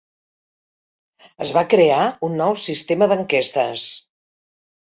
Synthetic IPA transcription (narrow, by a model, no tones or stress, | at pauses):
əzβakɾeaunːɔwsist̪eməðəŋkest̪ə̰s